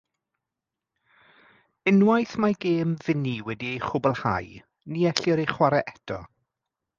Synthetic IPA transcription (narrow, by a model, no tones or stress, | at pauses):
ɪnwajθmaɡeːmvɪniwɛdiejχʊbəlˠha̰j | niːɛɬɪɾejχwaɾɛʔɛdʰɔ̰